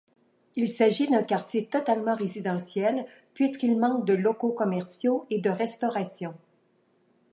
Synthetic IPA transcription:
ilsaʒid̪ɛ̃kaʁt̪jet̪ɔt̪almɑ̃ʁezid̪ɑ̃sjɛl | pɥiskʲilmɑ̃k̚d̪əlɔkokɔmɛʁsjoed̪əʁɛst̪ɔʁasjɔ̃

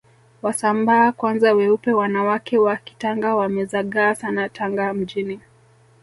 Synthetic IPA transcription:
wasambaːkwanzawɛupɛwanawakɛwaki̥taŋɡawamɛzaɠaːsanatʰaŋɡam̩d͡ʒini

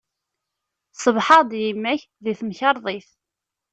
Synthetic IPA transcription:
sˤəvħɑd̪jimːæç | ðiθmçɑɾˤðˤiθ

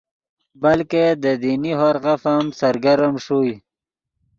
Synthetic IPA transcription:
balked̪əd̪iniɦoɾɣafamsaɾɡaɾəmʂuj

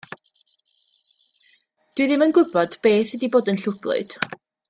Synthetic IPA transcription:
d̥wɨðɪmənɡʊbɔd̥b̥eːθədiboːdənɬʊɡlˠʊ̰d̥

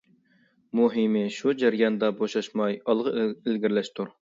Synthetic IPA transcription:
muɦimɪʃud͡ʒæɾjɑnd̪ɑboʃɑʃmɑjɑlˠʁəɪlɡʲiɾlɛʃt̪ʰuɾ

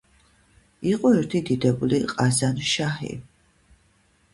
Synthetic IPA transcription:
iqʼɔɛɾt̪ʰid̪id̪ɛbuliqʼazanʃahḭ

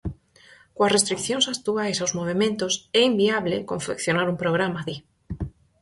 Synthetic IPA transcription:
kwasrest̪ɾikθjonsakt̪uajsawzmoβ̞emẽnt̪osɛimbiaβlekõɱfekθjonaɾumpɾoɣ̞ɾamaði

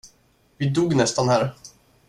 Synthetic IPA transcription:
vɪd̪uːɡnɛst̪anhæːɾ

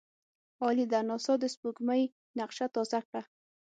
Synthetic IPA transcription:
ɑlid̪anɑsɑd̪əspuɡmaj | naqʃat̪ɑzakɽa

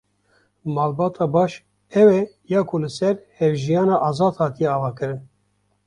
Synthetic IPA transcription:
mɑːlbɑːt̪ʰɑːbɑːʃ | ɛwɛjɑːkʰolɨsɛɾhɛvʒijɑːnɑːʔɑːzɑːd̪hɑːt̪ijɛɑːvɑːkɨɾɨn

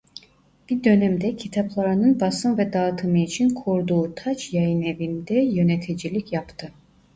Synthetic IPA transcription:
b̥id̪ø̞nɛmd̪ɛcʰit̪ʰaplˠaɾɯnɯnbasɯnvɛd̪aɯt̪ʰɯmɯit͡ʃʰinkʰoɾd̪uːt̪ʰat͡ʃjajɯnevind̪ɛjø̞net̪ʰid͡ʒilʲicʰjapt̪ʰɯ

